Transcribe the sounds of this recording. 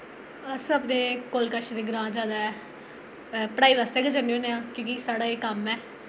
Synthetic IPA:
əsəpneːkoːlkəʃd̪eːɡəɾãːd͡ʒaːd̪aɛ | pəɽaːiːʋaːst̪eɛːɡəd͡ʒəneõːnẽãːkõːkisaːɽaːeːkəmɛː

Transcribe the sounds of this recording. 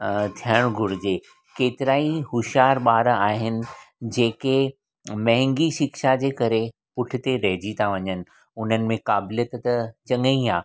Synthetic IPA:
t̪ʰiəɽ̃ɡʱʊɾd͡ʑeː | keːt̪ɪɾaːiɦʊʃaːɾɓaːɾaːɦɪnɪ̆d͡ʑeːke | mɐ̃ɦɪ̃ŋɡiʃɪkʃad͡ʑeːkɐɾe | pʊʈʰɪ̆t̪eɾɐɦɪd͡ʑit̪ʰaʋɐɲənɪ̆ | ʊn̤ənɪ̆mẽkaːbɪlijət̪t̪ɐt͡ɕɐ̃ŋəĩaː

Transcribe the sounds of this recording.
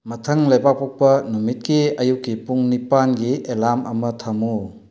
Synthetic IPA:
mɐtʰɐŋlɐjbak̚pok̚pɐnumit̚kiɐjukːipuŋnipanɡielamɐmɐtʰɐmu

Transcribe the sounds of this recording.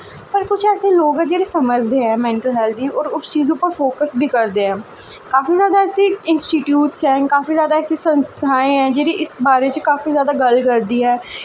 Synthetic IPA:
pəɾkʊt͡ʃʰɛːseːloːɡɛːd͡ʒeːɾeːsəməɾd͡ʒd̪eːɦɛːmɛ̃ːɳʈəlɦɛːlt̪iːɔːɾʊst͡ʃiːzʊpːəɾfoːkəsbʱiːkəɾd̪eːɛ̃ːkaːfiːzjaːd̪aːɛːsiːɪnsʈiːʈjuːʈsɦɛ̃ːkaːfiːzjaːd̪aɛːsiːsə̃nst̪ʰaːẽːɛ̃ːd͡ʒeːɾiːʔɪsbaːɾeːt͡ʃəkaːfiːzjaːd̪aːɡəlkəɾd̪iːɦɛː

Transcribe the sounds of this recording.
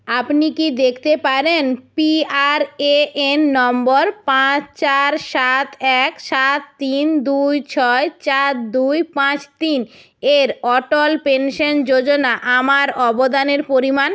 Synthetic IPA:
apnikid̪ekʰt̪epaɾenpiaɾeenːɔmboɾpãt͡ɕt͡ɕaɾʃat̪ʰɛkʃat̪ːind̪ujt͡ɕʰɔet͡ɕat̪̚d̪ujpãt͡ɕt̪in | eɾɔʈolpenʃond͡ʑod͡ʑonaʔamaɾɔbod̪aneɾpoɾiman

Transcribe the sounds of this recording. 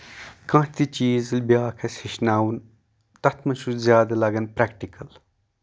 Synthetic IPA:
kɐ̃ːt̪it͡ʃiːzɨlbjaːkʰɐshiʃnaːwun | t̪ɐt̪ʰmɐʃuzʲjaːd̪ɐlɐɡɐnpɾɛkʈikɐl

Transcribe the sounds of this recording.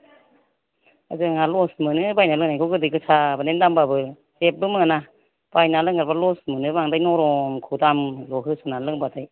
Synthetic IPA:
a̰zɯŋalɔsmɯnɯbajnalɯŋnajkʰɔɡɯdɯjɡɯsabanendambabɯ | zep̚bɯmɯana | b̥ajnalɯŋaɾbalɔsmɯnɯbaŋdajnɔɾɔmkʰudamlɔɦɯsɔnalɯŋbadaj

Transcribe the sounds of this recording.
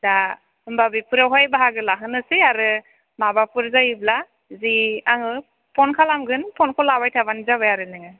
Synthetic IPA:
da | ɯmbabipʰɯɾawɦɔjbaɦaɡɯlaɦɯnɯsɯaɾɯ | mabapɯɾzajibla | ziaŋɯ | pʰɔnkʰalamɡɯnpʰɔnkʰɔlabajtʰabanizaβajaɾɯnɯŋɯ

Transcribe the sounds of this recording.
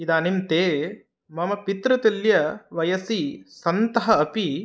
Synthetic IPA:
id̪aːnint̪eː | mɐmɐpit̪ɾɐt̪ɐljɐʋɐjɐsisɐnt̪ɐɦɐɐpi

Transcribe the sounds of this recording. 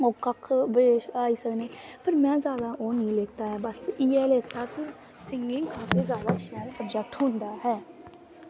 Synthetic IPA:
oːkəkʰbːʃaːiːsəkneːpəɾmɛ̃ːzjaːd̪aːʔoːnĩːleːk̚t̪aːɦɛːbəsiːɛːleːt̪aːt̪õː | sɪ̃ŋɡɪŋkʰãːt̪eːzaːd̪aːɪʃnɛːlsəbd͡ʒək̚ʈɦõːnd̪aːɦɛː

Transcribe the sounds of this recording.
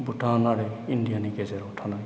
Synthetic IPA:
buʈʰanaɾɛindijanikezɛɾuʈʰana

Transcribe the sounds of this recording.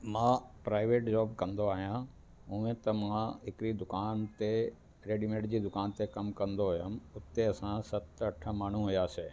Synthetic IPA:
mãːpɾaːɪʋeːʈd͡ʑɔːbkɐ̃nd̪oaːɦijã | ɦũẽt̪ɐmãɦɪkɪɾid̪ʊkaːnt̪e | ɾeːɖimẽːɖd͡ʑiːd̪ʊkaːnt̪ekɐmkɐ̃nd̪oɦʊjamʊt̪ːeɐsãsɐt̪ɐʈʰə̆maːɳ̤uɦʊjaseː

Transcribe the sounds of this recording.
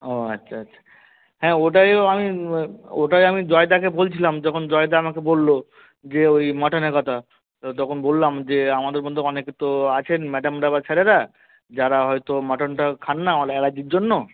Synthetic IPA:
oatːʃʰaatːʃʰḁ | hɛ̃oʈajami | oʈajamid͡ʑɔed̪akebolt͡ɕʰilamd͡ʑɔkʰond͡ʑɔed̪aamakebolːo | d͡ʑeojmɔʈaneɾkɔt̪ʰa | t̪ɔkʰonbolːamd͡ʑeamad̪eɾbɔnd̪ʱoɔneket̪oat͡ɕʰenmɛɖamɾabat͡ɕʰɛɾeɾa | d͡ʑaɾaɦɔjt̪omɔʈonʈakʰanːaaleɛɽad͡ʑiɾd͡ʑonːo

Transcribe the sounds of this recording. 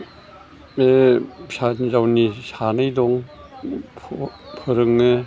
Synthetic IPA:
esazawnisanajdɔŋ | pʰpʰɯɾɯŋɯ

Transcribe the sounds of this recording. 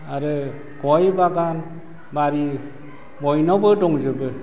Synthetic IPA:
aɾɯ | kɔjbaɡan | baɾi | mɔjnɔbɯdɔŋzɯbɯ

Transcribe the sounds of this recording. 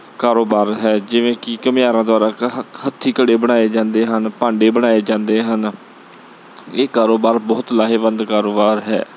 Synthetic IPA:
kaːɾoːbaːɾɦɛːd͡ʒɪʋẽːkɪkəmɪjaːɾãːd̪ʊaːɾaːət̪ʰːiːkəɽeːbəɽ̃aːeːd͡ʒãːnd̪eːɦənpãːɳɖeːbəɽ̃aːeːd͡ʒãːnd̪eːɦən | eːkaːɾoːbaːɾbɔːt̪laːɦeːʋənd̪kaːɾoːbaːɾɦɛ̰ː

